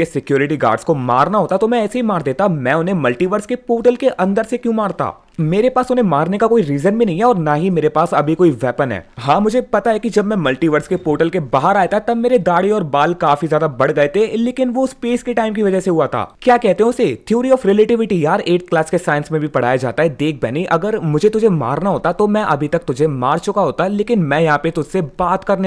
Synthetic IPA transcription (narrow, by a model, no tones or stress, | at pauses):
esɪkjoːɾɪʈiɡa̰ːɾɖskoma̰ːɾnaɦoːt̪at̪omɛ̃ɛːseɦimaːɾd̪eːt̪amɛ̃ʊnɦẽmɐlʈiʋəɾskepoːʈəlkeʔɐ̃nd̪əɾsekjũmaːɾt̪a̰ː | meːɾepaːsʊnɦẽmaːɾnekakoːiɾiːzənbʱinɐɦĩɦɛɔːɾnaɦimeːɾepaːsɐbʱikoːiʋɛːpənɦɛ̰ːɦãːmʊd͡ʒʱepɐt̪aɦɛkid͡ʒɐbmɛ̃mɐlʈiːʋəɾskepoːʈəlkebaːɦəɾaːet̪aɛt̪ɐbmeːɾed̪aːɽiɔːɾbaːlkaːfizjaːd̪abɐɽɡɐet̪ʰeleːkɪnʋospeːskeʈaːɪmkiʋɐd͡ʒəseɦuat̪ʰa̰ːkjaːkɛɦt̪eɦɛ̃ʊset̪ʰjuːɾiɔːfɾeleːʈɪʋɪʈijaːɾeːʈklaːskesaːɪə̃nsmẽbʱipɐɽ̤aːjad͡ʒa̰ːt̪aɦɛd̪eːk̚ʰbɛ̰ːniʔɐɡəɾmʊd͡ʒʱet̪ʊd͡ʒʱema̰ːɾnaɦoːt̪at̪omɛ̃ʔɐbʱit̪ɐk̚t̪ʊd͡ʒʱemaːɾt͡ʃʊkaɦoːt̪aɦɛleːkɪnmɛ̃jɐɦãpet̪ʊd͡ʒʱsebaːt̪kɐɾne